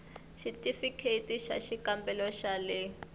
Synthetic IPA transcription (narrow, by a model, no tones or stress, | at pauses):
ʃitʼifikʰetiʃa̰ʃikambɛlɔʃalɪ